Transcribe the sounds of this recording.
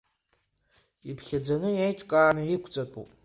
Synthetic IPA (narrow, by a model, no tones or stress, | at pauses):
ipʰxʲɐd͡zɐnɨjejt͡ʃʼkʼaːnɨikʷʰt͡sʼɐtʼṵ